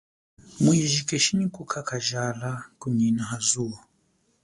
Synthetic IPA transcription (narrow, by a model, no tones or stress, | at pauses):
muiʒikɛʃiɲikukʰakaʒalakuɲinaɦazuɔ